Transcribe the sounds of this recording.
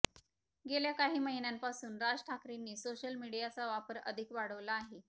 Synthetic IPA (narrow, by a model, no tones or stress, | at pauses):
ɡeljakaɦiːməɦinjampasuːnɾad͡zʈʰakɾinːiːsoɕəlmiɽijat͡saʋapəɾə̰d̪ʱikʋaɽəʋlaːɦe